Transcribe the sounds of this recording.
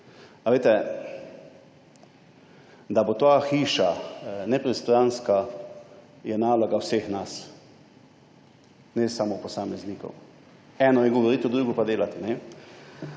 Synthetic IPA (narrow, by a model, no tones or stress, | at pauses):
aʋet̪ɛ | d̪abot̪aːxiːʃanɛpɾɛst̪ɾanska | jɛnaːlɔɡawseːxnas | nɛsamopɔsaːmɛzniːkɔ̰w | ɛːnɔjɛɡɔʋɔɾiːt̪ɛd̪ɾuːɡɔpad̪eːlat̪ɛnɛ